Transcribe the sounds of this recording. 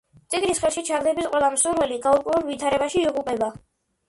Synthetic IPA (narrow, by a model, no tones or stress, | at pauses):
t̪sʼiɡnisχɛlˠʃit͡ʃʰaɾd̪ɛbisqʼwɛlˠamsuɾvɛliɡauɾkʼwɛvɛbvit̪ʰaɾɛbaʃiːuqʼupʼɛba